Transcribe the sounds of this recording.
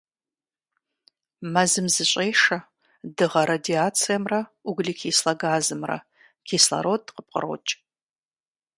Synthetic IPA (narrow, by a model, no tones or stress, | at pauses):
mɐzɨmzɨɕʼeːʂɐ | dɨʁɐɾadiaːt͡sʰijɐmrɐuɡliːkʰiːslɐɡaːzɨmrɐ̰ | kʰiːslɐ̰ɾoːtqəp̚qə̰ro̰ːt͡ʃʼ